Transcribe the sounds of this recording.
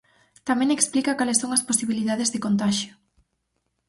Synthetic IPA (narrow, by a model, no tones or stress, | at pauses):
t̪amɛ̃ŋeksplikɐkalesoŋɐsposiβiliðaðezðɪkont̪aʃjʊ